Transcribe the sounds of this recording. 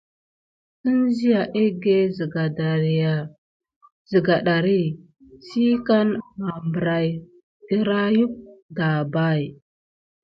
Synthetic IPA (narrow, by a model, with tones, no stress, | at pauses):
si˦nzi˦ja˨ʔe˦ɡe˦zɡa˨da˨a˨ | zi˨ɡa˨ɗa˨ɾi˦ | si˦ka˦nma˨mbɾa˨j | di˦ɾa˦ju˦p̚da˨ba˦˨j